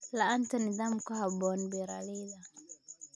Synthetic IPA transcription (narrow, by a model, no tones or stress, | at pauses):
laantɔnizamkahabɔnbɛɾa̰lida